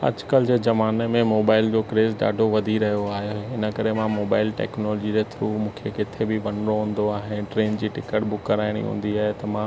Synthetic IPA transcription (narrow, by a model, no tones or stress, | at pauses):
ɐ̰d͡ʑkəlɪd͡ʑeːzɐʋaːnemẽmoːbaːɪld͡ʑoːkɾeːzɗa̰ːɖʱoʋɐd̪ʱiɾɐɦijoaːɦjoɦeɪnə̆kɐɾemãmoːbaːɪlʈɛ̰ːknoːlɔːd͡ʑid͡ʑet̪ʰɾuːmũːkʰekɪt̪ʰebɪʋɐ̃nɾoɦũːn̆d̪oaːɦenʈɾeːnd͡ʑiːʈɪkəʈ̚bʊkːəɾaːɪɽ̃ḭɦṵ̃ːn̆d̪iaːɦet̪ɐmã